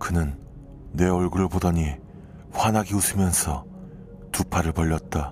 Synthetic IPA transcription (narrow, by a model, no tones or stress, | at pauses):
kɯnɯnː | e̞oɭɡɯɾɯɭpodʌɲi | ɸwanɦaɡiusʰɯmjʌnsʰʌ | tupʰaɾɯɭpʌʎːʌt̚t͈a